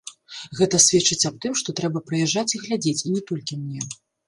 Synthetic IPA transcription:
ɣɛt̪ɐsʲvʲɛt͡ʂɨt͡sʲap̚t̪ɨmʂt̪ɔt̪ɾɛbɐpɾɨjɛʐːat͡sʲiɣlʲad͡zʲet͡sʲinʲɛt̪ɔlʲkʲimnʲɛ

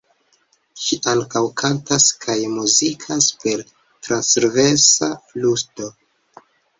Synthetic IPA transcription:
ʃiʔaŋkawkʰantaskʰajmuzikʰaspe̞ɾ | tɾansɾvesalusto̞

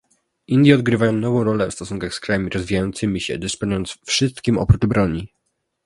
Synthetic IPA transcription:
ʔind̪jɛɔd̪ɡɾɘvajɔ̃w̃nɔvɔ̃w̃ɾɔlɛfst̪ɔsuŋkaxskɾajamʲiɾɔzvʲijajɔnt̪sɘmʲiɕɛ̰d̪ɘspɔnujɔnt̪sfʂɘst̪kʲimɔ̰pɾudbɾɔɲi

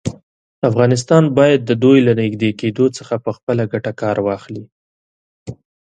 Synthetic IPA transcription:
afɣɑnɪs̬t̪ɑnbɑjad̪ːəd̪ojlanɪxd̪eked̪ot͡səxapəxpəlaɡaʈakɑɾwɑxli

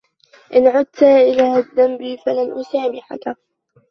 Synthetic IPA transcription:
ʔɪnʕʊd̪̚t̪aʔɪlaːd̪ːambifalanʔʊsaːmɪħa̰ka

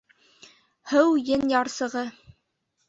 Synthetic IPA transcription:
hɘwjɘnjɑɾsɤ̆ʁɤ

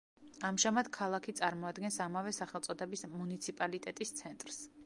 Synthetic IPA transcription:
amʒamad̪̥kʰalˠakʰit̪sʼaɾmɔad̪ɡɛnsamavɛsaχɛlˠt̪sʼɔd̪ɛbismunit̪sʰipʼalit̪ʼɛt̪ʼist̪sʰɛnt̪ʼɾs

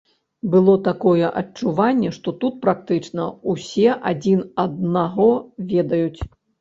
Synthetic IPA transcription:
bɨlˠɔt̪akɔjɛʔɐt͡ʂuvanʲːɛʂt̪ɔt̪ut̪̚pɾakt̪ɨt͡ʂnɐusʲɛʔad͡zʲinɐd̪naɣɔvʲɛd̪ɐjut͡sʲ

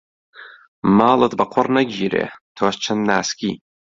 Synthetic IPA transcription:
maːlˠət̪̚bɐqʰɔɾnɐɡʲiːɾḛt̪ʰoːst͡ʃʰənnaːskʲiː

